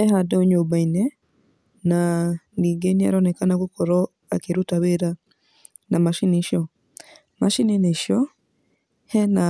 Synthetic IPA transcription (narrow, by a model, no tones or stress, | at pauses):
ɛhadɛoɲobainɛ | naniɡenia̰ɾɔnɛkanakukɔɾɔ | akeɾutaβeɾa | namaʃiniʃjɔ | maʃinineʃjɔ | hɛna